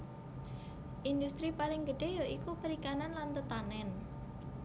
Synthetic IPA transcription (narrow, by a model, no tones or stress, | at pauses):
ʔind̪ust̪ɾipalɪŋɡəɖ̥e̤joʔikupəɾikananlant̪ət̪anɛn